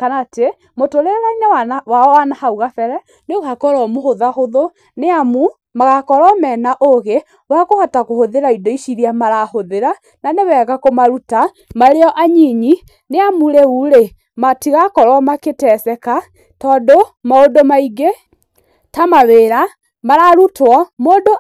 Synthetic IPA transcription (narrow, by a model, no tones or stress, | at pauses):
kanate | motoɾeɾainɛwaɔwanahauɣafɛɾɛ | neoɣakɔɾɔmohoðahoðo | neamu | maɣakɔɾɔmɛːnaʔoɣe | wakohatakohoðeɾaidoiʃiɾiamaɾahoðeɾa | nanewɛɣakomaɾuta | maɾeɔʔaɲiɲi | neamuɾeuɾe | matiɣakɔɾwamaketɛsɛka | tɔːdomaodomaiɡe | tamaweːɾa | maɾaɾutwɔmoːdo